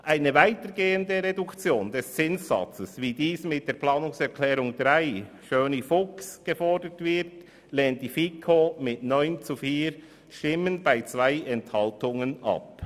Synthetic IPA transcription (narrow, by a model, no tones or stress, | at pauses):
ʔaɪnəvaɪtəɾɡeːəndəʁedʊkt͡sjoːndɛst͡sɪnszɑ̰t͡səsviːdiːsmɪt̚d̥eːplɑːnʊŋsɛɾkʰlɛːɾʊŋdʁaɪ | ʃøːnifʊksɡ̥əfɔɹdətv̥ɪɾt | leːnt̚d̥ifikʰomɪtnɔʏnt͡sufiːɾ | ʃtɪmənbaɪt͡sv̥aɪɛnthɑltʊŋənʔɑ̰p̚